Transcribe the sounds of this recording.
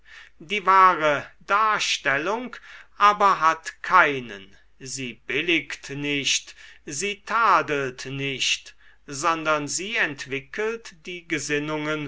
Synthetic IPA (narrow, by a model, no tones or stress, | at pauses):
d̥iːvaːʁədaːɐʃtɛlʊŋkʔaːbɐɦatkʰaɪnə̰n | ziːbɪlɪktnɪɕtziːtʰaːdəltnɪçt | zɔndɐnziːɛntv̥ɪkʰəltd̥iːɡəzɪnʊŋən